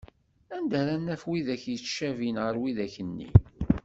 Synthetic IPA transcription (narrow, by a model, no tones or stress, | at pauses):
ænd̪æɾænːæfwiðæçjəʃævinʁəɾwiðæçənːḭ